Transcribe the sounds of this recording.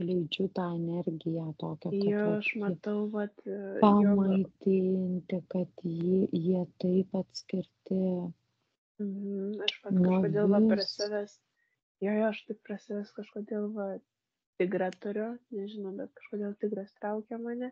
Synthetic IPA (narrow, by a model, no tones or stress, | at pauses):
lʲɛɪd͡ʒʲʊt̪ɑːɛnʲɛrʲɡʲɪjæt̪oːkʲɛjɛɐʃmɐt̪ɐʊʋɐt̪pɐmmɐɪt̪ʲɪnʲt̪ʲɪkɐt̪jɪjiɛt̪ɐɪpɐt̪ʲsʲkʲɪɾʲt̪ʲɪ | m̩m̩m̩ɐʃʋɐnkɐoʃkoːd̪ʲeːlˠʋɐɪprɐsʲɪʋʲɛs | joːjoːɐʃt̪ɐɪpprɐsʲɪʋʲɛskɐʃkoːd̪ʲeːlˠʋɐ | t̪ʲɪɡɾɑt̪ʊɾʲʊnʲɛʒʲɪnɐʊbʲɛt̪̚kɐʃkoːd̪ʲeːlˠt̪ʲɪɡɾɐst̪ɾɐʊkʲɛmɑːnʲɛ